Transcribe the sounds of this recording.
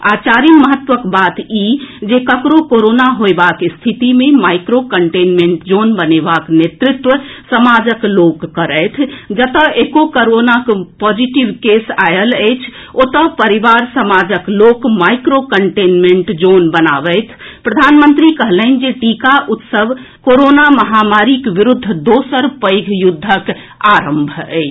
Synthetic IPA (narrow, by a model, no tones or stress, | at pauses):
a̰t͡ʃaɾiməɦət̪ʋəkbat̪id͡ʒekəkɾokoɾonaɦoebakst̪ʰit̪imemaikɾokəɳʈenmẽɳʈd͡ʒonbənebaknet̪ɾɪt̪ʋəsəmad͡ʒəkloɡːəɾəjt̪ʰd͡ʒət̪əekokəɾonakpɔd͡ʒiʈiʋkesajələjt͡ʃʰ | ot̪əpəɾiʋaɾsəmad͡ʒəklokmajkɾokəɳʈenmeɳʈd͡ʒonbənabəjt̪ʰ | pɾəd̪ʱanmənt̪ɾikəɦlən̆d͡ʒeʈikaʔut̪səb | koɾonaməɦamaɾikʋiɾud̪ʱːd̪osəɾpəjɡʱjud̪ʱːək | aɾəmbʱə̰ɪt͡ʃʰ